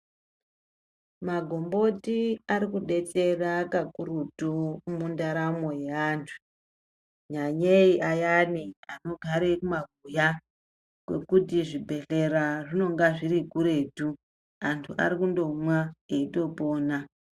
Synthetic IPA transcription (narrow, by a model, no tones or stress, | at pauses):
maɡʱombo̞tiaɾikuɗe̞t͡se̞rakakuɾutomundaɾamojeaːntʰu̥ | ɲaɲeiʔajaniano̞ɡʱaɾekumaɡʱuja | kwe̞̰kutiʐibʱe̞ɬe̞ɾaʐino̞ŋɡaʐiɾikuɾe̞tu | antʰuʔa̰ɾikundo̞mwaeito̞po̞ːna